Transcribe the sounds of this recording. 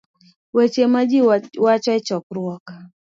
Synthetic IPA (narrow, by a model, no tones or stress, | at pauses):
wet͡ʃemad͡ʒiwat͡ʃɔɛt͡ʃɔkɾwɔkḁ